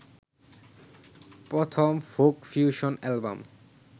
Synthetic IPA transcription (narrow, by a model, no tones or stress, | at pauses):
pɾɔt̪ʰomfokfjuʃonɛlba̰m